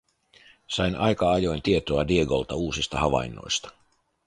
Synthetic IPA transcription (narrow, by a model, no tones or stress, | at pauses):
sɑjnɑjkɑɑjo̞jnt̪ie̞t̪oɑdieɡo̞̰lt̪ɑuːsist̪ɑɦɑʋɑ̰jnːo̞̰jst̪ɑ̥